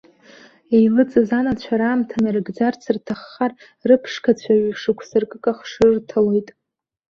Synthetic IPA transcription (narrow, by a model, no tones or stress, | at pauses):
ejlɨt͡sʼɨzanat͡ɕʷʰaɾaːmtʰanɨrɨɡd͡zart͡sʰɨrtʰaχːar | rɨpʰʂkʰat͡ɕʷʰaɥiʂɨkʷʰsarkʼɨkʼaχʂɨrtʰalojtʼ